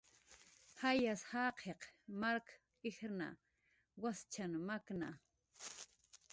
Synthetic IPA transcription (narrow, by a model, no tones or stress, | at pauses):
hajashaːqʰeqmaɾk | ɪxna̰ | wast͡ʃanmakna̰